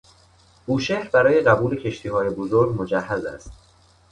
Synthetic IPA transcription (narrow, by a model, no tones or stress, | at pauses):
uːʃeːhɾbæɾɒːje̞ɢæbuːle̞cʰe̞ʃt̪ʰiːɦɒːje̞bo̞zoɾɡmo̞d͡ʒæɦːæzæ̰st̪̚